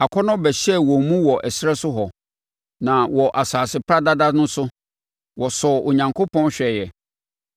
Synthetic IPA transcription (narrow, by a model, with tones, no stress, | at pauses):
a˨kʰɔ˦nʊ̃˦bɛ˨ɕɛ˦wɔ˨mũ˦wɔ˨ʔɛ˨sɾɛ˦sʊ˦ɦɔ˨ | nã˨wɔ˨ʔa˨saː˨sɪ˨pʰɾa˦da˦da˦nʊ̃˦sʊ˦ | wɔ˨sɔ˨ʔo˨ɲã˨ŋkʰo˦pʰɔ̃˦nɕᶣɛ˨jɛ˨